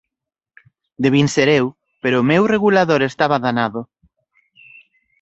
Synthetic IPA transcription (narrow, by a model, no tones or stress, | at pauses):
d̪eβ̞inseɾew | peɾʊːmewreɣulaðoɾest̪aβaðanaðʊ